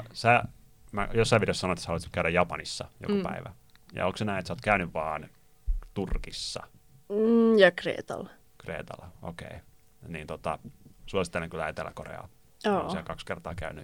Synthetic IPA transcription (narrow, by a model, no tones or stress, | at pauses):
sæ | mæ̰josːɑiʋireossɑnoet̪ːæsæɑluistkæyɾæjɑpɑnisːɑjo̰kopæiʋæ | jɑ̰oksenæinet̪soːt̪kæynyʋʋɑːn | t̪urkisːɑ̰ | jɑkrḛːt̪ɑ̰l | krḛːt̪ɑ̰lːɑʔo̰kḛi | niːnt̪ot̪ɑsuɑsit̪ːeleŋkylæet̪elːæ̰korḛɑ̰ | oːsiækɑkskert̪ɑːkæyny